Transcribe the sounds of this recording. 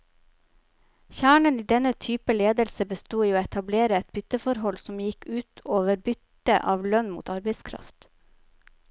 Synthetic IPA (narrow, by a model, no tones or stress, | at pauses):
çæːɳəniːd̪ɛnət̪ʰyːpəleːd̪əlsəbəst̪uːiːoːɛt̪ɑbleːɾəɛt̪̚bʏt̪əfɔɾɦɔlsɔmjɪkʰʉːt̪ːooːʋəɾbʏt̪ | əʔɑːʋlœnmṵːt̪ɑɾbəɪskʰɾɑ̰ft̪